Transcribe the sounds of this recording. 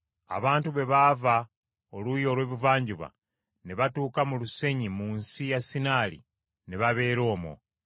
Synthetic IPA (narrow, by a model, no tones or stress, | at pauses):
a̰βaːntuβe̞βava | olujo̞lwe̞ːβuvaːɲɟuβa̰ | ne̞βatuːkamuluse̞ɲimuːnsijasinaːlḭ | ne̞βaβe̞ːɾo̞ːmo̰